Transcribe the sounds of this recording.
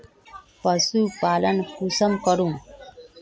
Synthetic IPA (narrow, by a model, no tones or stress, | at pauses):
pʌsupalʌnkʰusʌmkʌɾum